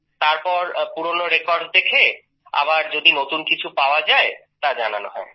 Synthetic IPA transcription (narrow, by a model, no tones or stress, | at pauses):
t̪aɾpɔɾpuɾonoɾekɔɾɖd̪ekʰe | a̰baɾd͡ʑod̪inot̪unkit͡ɕʰupaoad͡ʑaet̪ad͡ʑananoɦɔe